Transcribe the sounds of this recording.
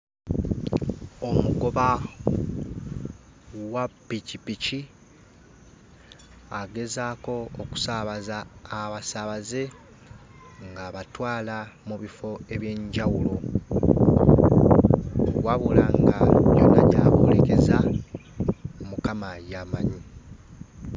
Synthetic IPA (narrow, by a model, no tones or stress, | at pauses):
o̞muɡo̞βa | wapːicipici | aɡe̞zaːko̞ːku̥saβazaːβasaβaze̞ | ŋɡaːβatwaːlamuβifo̞e̞βje̞ːɲɟawulo̞ | waβulaŋɡajo̞na̰ɟaβoleke̞za | mukamajamaɲi